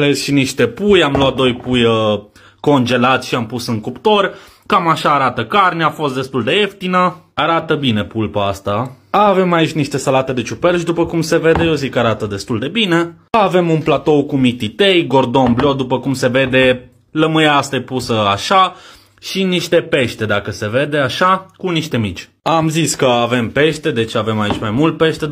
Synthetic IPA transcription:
lezʃiniʃt̪e̞pujamloat̪̚d̪o̞jpujə | ko̞nd͡ʒe̞lat̪sʲʃiampusɨŋkupt̪o̞rʲ | kamaʃaːɾat̪əkarnʲafo̞st̪d̪e̞st̪uld̪e̞e̞ft̪inəaɾat̪əbine̞pulpaast̪a | aːve̞mait͡ʃʲniʃt̪e̞salat̪e̞d̪e̞t͡ʃupelʃd̪upəkumse̞ve̞d̪eezikaɾat̪əd̪e̞st̪uld̪e̞bine̞ | aave̞munplat̪o̞wkumit̪it̪ejɡo̞rd̪o̞nblod̪upəkumse̞ve̞d̪e̞ | ləmɨjast̪epusəaʃa | ʃiniʃt̪e̞pe̞ʃt̪e̞d̪akəse̞ve̞d̪e̞aʃakuniʃt̪e̞mit͡ʃʲ | amziskəave̞mpe̞ʃt̪e̞d̪e̞t͡ʃave̞mait͡ʃʲmajmult̪̚pe̞ʃt̪e

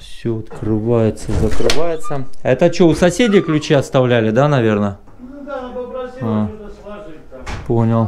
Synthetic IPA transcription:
fsʲoɐt̪kɾɨvajʊt̪səzəkɾɨvajɪt̪səɛt̪ət͡ɕoʊsɐsʲedʲɪjklʲʉt͡ɕeɐst̪ɐvlʲælʲɪd̪anɐvʲe̞rnə | a | ponʲəlˠ

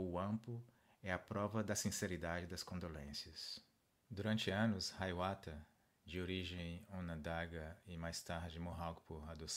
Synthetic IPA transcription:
ʊɐ̃mpʊ | ɛɐpɾɔvɐd̪ɐsĩseɾid̪ad͡ʒɪd̪ɐskõnd̪olẽsiɐs | d̪uɾɐ̃nt͡ʃɪɐ̃nʊshajwat̪ɐ | d͡ʒɪoɾiʒẽj̃õnɐ̃d̪aɡɐɪmajst̪aɾd͡ʒɪmoɦawkpoɾad̪os

